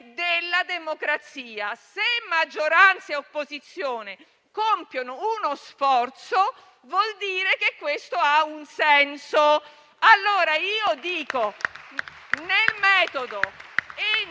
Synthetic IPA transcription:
d̪elːad̪emokɾat̪siːasemːad͡ʒːoɾant̪saeopːozit̪sːjoːne | kompjonounosfɔrt̪so | vwɔld̪iːɾekekːwest̪oaunsɛnso | alːoːɾaiːod̪iːko | nelmɛːt̪od̪oe

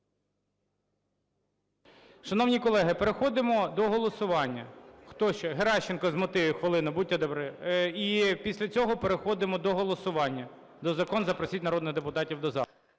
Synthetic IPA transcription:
ʃɐnɔwnʲikɔlˠɛɦɪpeɾexɔd̪ɪmɔd̪ɔɦɔlˠɔsʊʋɑnʲːɐxt̪ɔʃt͡ʃɔɦeɾɑʃːɪnkɔzmʊt̪ɪjɛxʋelˠɪnʊbutʲːɐd̪ɔbɾɪipʲisʲlʲɐt͡sʲɔɦɔpeɾexɔd̪ɪmɔd̪ɔɦɔlˠɔsʊʋɑnʲːɐ | d̪ɔzɐkɔnzɐpɾɔsʲitʲnɐɾɔd̪nɪɣd̪epʊt̪ɑtʲiwd̪ɔzɑ

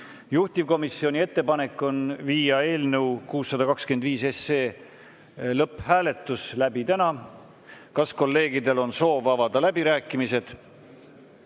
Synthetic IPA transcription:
juht̪ivko̞misːio̞nʲie̞t̪ːe̞pɑne̞kːˑo̞nviːjɑe̞ːlnewkuːsːɑd̪ɑkɑkskymend̪viːse̞sːeː | lɤpːhæːle̞t̪ːˑuslæbit̪ænɑ | kɑsko̞lːe̞ːɡid̪e̞lo̞nso̞ːvɑvɑd̪ɑlæbiɾæːkːˑimise̞d̪̥

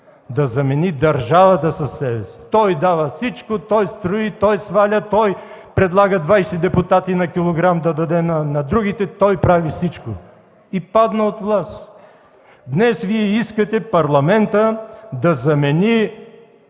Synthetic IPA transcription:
d̪ɐzɐmɛnid̪ɐɾʒavɐt̪əsɐsːɛbɛst̪ɔjd̪avəfsit͡ʃkot̪ɔjst̪ɾʊit̪ɔjsvalʲət̪ɔj | pɾɛd̪lˠaɡəd̪vajsɛd̪ɛpʊt̪at̪inɐkʲilˠoɡɾamd̪ɐd̪ɐd̪ɛnɐnɐd̪ɾuɡʲit̪ɛt̪ɔjpɾavisit͡ʃko | ipad̪nəot̪vlˠast̪ | d̪nɛsviɛiskət̪ɛpɐɾlˠɐmɛnt̪əd̪ɐzɐmɛni

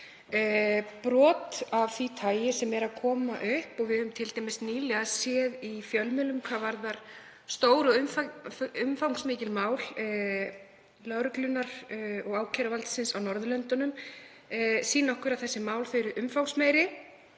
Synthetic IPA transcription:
pɾɔːt̪avθit̪ʰaːjɪsɛmɛɾaðkʰɔːmaʔʏhpɔɣvɪðʏmt̪ʰɪlt̪ajmɪst̪niːlɛasjɛːðifjœlmɛlʏmkʰvaːvaɾðaɾ̥ | st̪oːwɾʏʏmfʏmfawŋksmɪːcɪlmaːwl | lœɣɾʏklʏnaɾ̥ɔɣaːwcʰɛɾavalt̪sɪnsawnɔɾðʏlœnt̪ʏnʏm | siːnaɔhkʏɾawθɛsːɪmaːwlfʏɥɾʏʔʏmfawksmeːjɾɪ

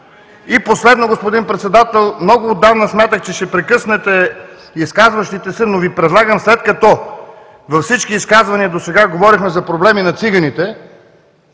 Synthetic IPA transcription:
iposlɛd̪noɡospod̪inpɾɛt̪sɛd̪at̪ɛlˠmnɔɡʊːd̪ːavnəsmʲjat̪əxt͡ʃɛʃt̪ɛpɾɛkɤsnɛt̪ɛ | iskazvɐʃt̪it̪ɛsɛnovipɾɛd̪lˠaɡəmslɛt̪kɐt̪ɔ | vɐfsit͡ʃkiːskazvɐniəd̪osɛɡaɡovɔɾixmɛzɐpɾoblɛminɐt̪siɡɐnit̪ɛ

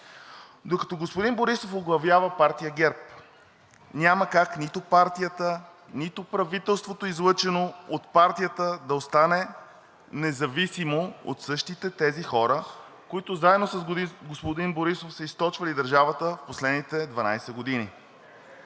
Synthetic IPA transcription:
d̪okɐt̪ɔɡospʊd̪inboɾisofoɡlˠɐvjavəpaɾt̪ijəɡɛɾp | nʲaməkaknit̪opaɾt̪ijət̪ə | nit̪opɾɐvit̪ɛlˠst̪vot̪oizlˠɤt͡ʃɛnoot̪paɾt̪ijət̪əd̪ɐost̪anɛ | nɛzɐvisimoo̰t̪sɤʃt̪it̪ɛt̪ɛzixɔɾə | koit̪ʊzaɛd̪nosɐsɡospod̪inboɾisofsəist̪ɔt͡ʃvəlid̪ɐɾʒavət̪əfposlɛd̪nit̪ɛd̪vɐna̰jsɛɡod̪ini

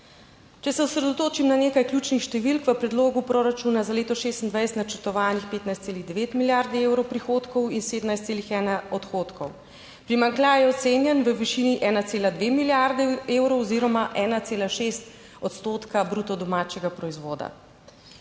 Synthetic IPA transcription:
t͡ʃɛsɛɔsɾɛd̪ɔt̪oːt͡ʃimnaneːkajklʲjuːt͡ʃnixʃt̪ɛʋilkʋəpɾɛd̪loːɡupɾoːɾat͡ʃuːnazaleːt̪ɔʃeːst̪nd̪ʋajst̪nat͡ʃəɾt̪ɔʋaːnixpeːt̪najst̪seːliɣd̪ɛʋeːt̪miljaɾd̪ɛeːwɾɔwpɾixoːt̪kɔwinseːd̪əmnajst̪seːlixɛːnaɔt̪xoːt̪kʰɔw | pɾimaŋklʲajɛɔt̪senjɛnʋəʋiʃiniʔɛːnat̪seːlad̪ʋeːmiljaɾd̪ɛeːwɾɔwɔziɾɔmaʔɛːnat̪seːlaʃest̪ | ɔt̪st̪oːt̪kabɾut̪ɔd̪ɔmaːt͡ʃɛɡapɾɔizʋoːd̪a̰

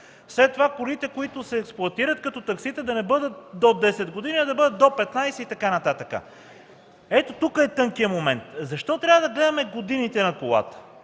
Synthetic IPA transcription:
fslɛt̪ːovakʊɾit̪ɛkoit̪ʊsɛːksplˠʊɐt̪iɾət̪̚kɐt̪ɔt̪ɐksit̪əd̪ɐnɛbɤd̪ət̪̚d̪od̪ɛsɛd̪ɡod̪iniɐd̪ɐbɤd̪ət̪̚d̪opɛt̪najsɛit̪ɐkanɐt̪at̪əkə̰ | ɛt̪ot̪ukəɛt̪ɤŋkijəmomɛnt̪zɐʃt̪ɔt̪ɾʲavəd̪ɐɡlɛd̪ɐmɛɡod̪init̪ɛnɐkolˠa̰t̪ə̥

